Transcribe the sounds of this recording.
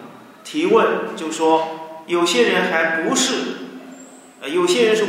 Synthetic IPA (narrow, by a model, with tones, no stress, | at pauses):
t̪ʰi˧˥wə˥˧nt͡ɕjo˥˩ʊʂwɔ˥jo˨˩ʊɕjɛ˥ɻə˧˥nxa˧˥ɪpu˧˥ʂɻ̩˥˩ | ə˧jo˨˩ʊɕjɛ˥ɻə˧˥nʂɻ̩˥˩